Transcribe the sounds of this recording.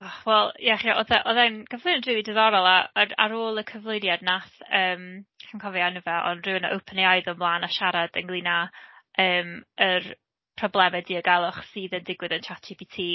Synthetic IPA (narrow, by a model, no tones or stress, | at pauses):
aχwɛlˠjaχiaʔɔðɛʔɔðɛnkʰəvlˠoɨnadrɪwidəðɔɾɔlˠaəra̰ɾoːlˠəkʰəvlˠojnjadnaθəːmkʰankʰɔvianəvɛʔɔ̰nrɪnaʔə̰wpʰənjajðʊmblˠaːnaʃaɾad̥ənɡlˠinaəːmər | pʰrɔblˠɛmɛdiːəɡalˠɔχsɨːðəndɪɡwɪðəntʰatibitʰiː